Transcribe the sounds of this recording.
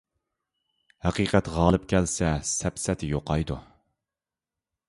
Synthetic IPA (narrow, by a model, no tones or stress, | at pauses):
hæqiːqɛt̪ʁɑːlˠɨpkʲʰɛlsɛsɛpsɛt̪ʰɪjoqɑjd̪u